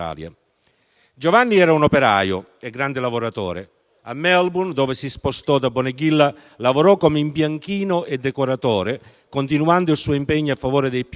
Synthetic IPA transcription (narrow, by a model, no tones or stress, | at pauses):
a̰ːlja̰ | d͡ʒovanːiɛːɾaunopeɾa̰ːjʊ̰ | eɡːɾand̪ɪlavoɾat̪o̰ːɾḛ | amːɛlbund̪oːvɪsispost̪ɔd̪abːoneɡilːa | lavoɾɔkːomeimpjaŋkiːnʊʔed̪ːɛkoɾat̪ɔːɾɪ | kont̪inuand̪ʊilsuːimpɛɲːoafːavoːɾɪd̪ejp